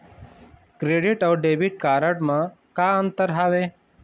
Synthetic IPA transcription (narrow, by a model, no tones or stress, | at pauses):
kɾeːɖɪʈɔwɖeːbiʈ̚kaːɾəʈmã | kaːənt̪əɾɦaʋeː